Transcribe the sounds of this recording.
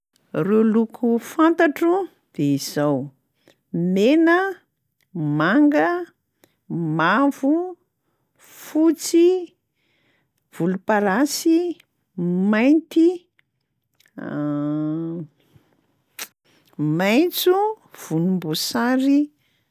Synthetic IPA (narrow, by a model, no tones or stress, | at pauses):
rulukʰufant̪aʈ͡ʂu | d̪̥eizaw | menə | maŋɡə | mavu | fut͡si | v̥ulupaɾasi | majnt̪i | majnt͡su | v̥unumbusaɾi